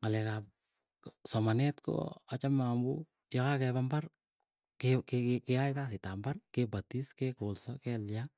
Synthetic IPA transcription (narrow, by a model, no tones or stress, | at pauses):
ŋalɛkap̚ | sɔmanɛtko̰at͡ʃamːambṵ | jɔkakɛbambar | kekekeajtasɪtambarkebatiskekolsɔkɛlja